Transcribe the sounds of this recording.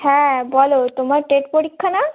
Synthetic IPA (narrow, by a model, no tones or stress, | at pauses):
hɛ̃bʱɔlot̪omaɾʈeʈpoɽikʰːana